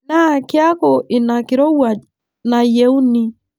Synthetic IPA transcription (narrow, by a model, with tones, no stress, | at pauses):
na˦˨kɪ˦a˦kɔ˨ʔɪ˨na˨kɪ˨ɾɔ˦wa˨ | na˨je˨˦u˦ni˦